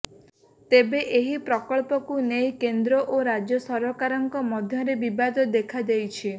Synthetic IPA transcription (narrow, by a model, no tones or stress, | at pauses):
t̪ebeʔeɦipɾɔkɔɭpɔkunejkend̪ɾɔʔoɾad͡ʒjɔsɔɾɔkaɾɔŋkɔmɔd̪ʱjɔɾebibad̪ɔd̪ekʰad͡ʒejt͡ʃʰi